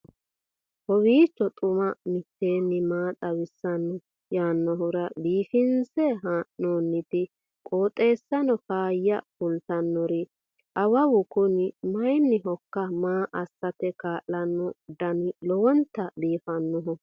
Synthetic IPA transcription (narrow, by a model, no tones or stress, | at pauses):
hɔwiːt͡ʃːɔt̪ʼʊmɐmɪt̪ːeːnːɪmaːt̪ʼɐwɪsːɐnːɔ | jaːnːɔɦʊɾɐd̪iːfɪnsɛɦanoːnːɪt̪ɪ | kʼoːt̪ʼːe̞ːsːɐnɔkaːjːɐfʊlt̪ɐnːɔɾɪ | ʔɐwɐwʊkʊnɪmɐjnːɪɦɔkːɐmaːʔɐsːɐt̪ɛkaːʔːɐnːɔd̪ɐnɪlɔwɔnt̪ːɐd̪iːfɐnːɔɦɔ